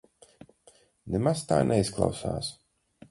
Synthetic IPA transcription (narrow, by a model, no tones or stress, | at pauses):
nemaz̥t̪a̰ːnʔɛisklˠa̰wsa̰ːs